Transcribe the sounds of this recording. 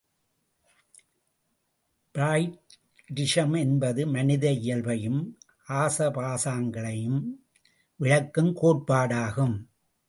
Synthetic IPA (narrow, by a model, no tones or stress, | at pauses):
b̥ɾaːjʈ | ɖɪʂɐmɛnbɐðɯmɐnɪðɐɪjɐlʋɐjɯm | ʔaːsɐpaːsaːŋɡɐɭɐjɯm | ʋɪɻɐkːɯmkoːʈ̚paːɽaːɣɯm